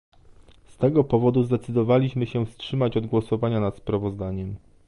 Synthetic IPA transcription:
st̪ɛɡɔpɔvɔd̪uzd̪ɛt̪sɘd̪ɔvalʲiɕmɘɕɛfstʂɘmat͡ɕɔd̪ɡwɔsɔvaɲanat̪spɾavɔzd̪aɲɛm

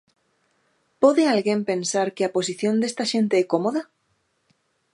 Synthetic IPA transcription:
poðealɣempẽnsaɾkɪapos̬iθjond̪est̪aʃent̪eɛkomoða

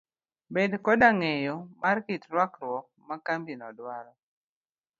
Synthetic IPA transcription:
bedkɔdaŋɛjɔmʔarkitɾwakɾwɔk̚makambinɔdwaɾɔ

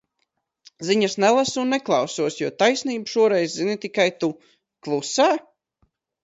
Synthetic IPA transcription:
ziɲasnɛlˠasunːɛklˠɑwsuɔsjuɔt̪ajsniːbʃuɔɾɛjzzinɨt̪ikajt̪u | klˠusaː

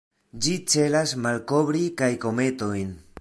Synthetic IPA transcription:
d͡ʒit͡se̞lasmalko̞bɾikajko̞me̞to̞jn

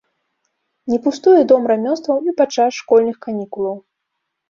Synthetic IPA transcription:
nʲɛpust̪ujɛd̪ɔmɾamʲɔnst̪vɐwipat͡ʂasʂkɔlʲnɨxkanʲikulˠɐw

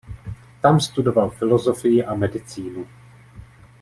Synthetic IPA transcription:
t̪amst̪udo̞valfɪlozofɪjɪʔamɛdɪt͡siːnu

